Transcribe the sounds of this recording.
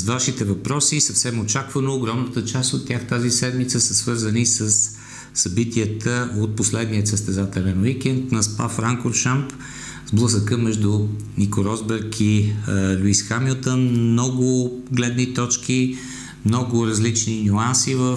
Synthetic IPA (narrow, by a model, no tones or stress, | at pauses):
zvaʃit̪ɛvɐpɾɔsisɐfsɛmot͡ʃakvənoːɡɾɔmnət̪ət͡ʃast̪ot̪ːʲjaxt̪azisɛd̪mit̪səsəsvɤɾzənisəsː | ɐbit̪iət̪ʰəot̪̚poslɛd̪niət̪səst̪ɛzat̪ɛlɛnwikʲɛnt̪nɐspafɾaŋkofʃamp | zblˠəsəkəmɛʒd̪ʊnikoɾɔzbɛɾkʰilʲuisxamilˠt̪ənmnɔɡʊɡlɛd̪nit̪ɔt͡ʃki | mnɔɡʊɾɐzlit͡ʃninʲuansivəf